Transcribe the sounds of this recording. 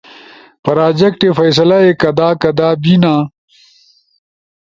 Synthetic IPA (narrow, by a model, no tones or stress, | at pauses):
pɐɾaːd͡ʑɐkʈefɐjs̬ɐlɐekɐd̪aːkɐd̪aːbinaː